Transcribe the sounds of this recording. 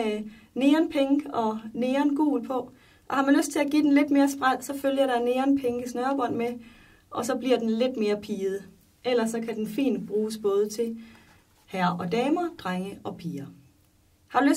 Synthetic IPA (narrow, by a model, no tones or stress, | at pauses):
ne̝ːɐnpʰeŋ̥əɒ̽ne̝ːɐnɡ̥ṵːl̩pʰɒ̽ | ʔɒ̽hɑ̈mænløsd̥̚t͡sʰe̝læɡ̥ḭːd̥enle̝d̥me̝ːɐsb̥ʁað̰ˠsɒ̽føljɐɾ̥ɑ̈ne̝ːɐnpʰeŋɡ̥əsnœɐb̥ɒ̽n̰me | ʔɒ̽sɒ̽b̥liɐ̰d̥enle̝d̥me̝ːɐpʰiːð̞̩ˠ | el̰ɐsːɒ̽kʰæd̥enfḭːnd̥b̥ʁuːsb̥ɔ̽ːð̞ˠət͡sʰe̝l | hæɐ̰ɒ̽d̥ɛːmɐd̥ʁaŋəʔɒ̽pʰiːɐ | hɑ̈ɾ̥ulø